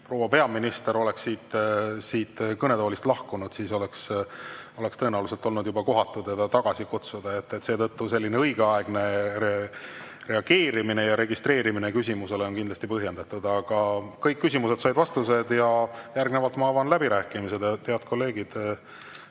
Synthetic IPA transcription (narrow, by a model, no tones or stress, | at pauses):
pro̞ːwɑpe̞ɑminist̪e̞ɾo̞le̞ksiːt̪siːt̪kɤne̞d̪oːlist̪lɑhkunud̪̥siːso̞leks | o̞le̞kst̪ɤ̞enɑlus̬elt̪o̞lnud̪jubɑko̞ɦɑt̪ːˑud̪jɑd̪ɑt̪ɑɡ̥ɑsikut̪sud̪̥ɑe̞t̪ːet̪ːse̞ːt̪ɤt̪ːuse̞lːine̞ɤjɡeɑeɡ̥ne̞e | re̞ɑɡ̥e̞ːɾimine̞jɑɾe̞ɡist̪re̞ːɾiminekysʲimuse̞leo̞nkind̪lɑst̪ipɤɦje̞nd̪̥ɑt̪ːud̪̥ɑɡ̥ɑkɤjkːysʲimuse̞d̪sɑjd̪vɑst̪used̪̥jɑjærɡ̥ne̞vɑlt̪mɑɑːvɑnlæbiɾæːkˑimise̞d̪t̪eɑd̪̥̚kʰo̞lːe̞ːɡ̥id̪̥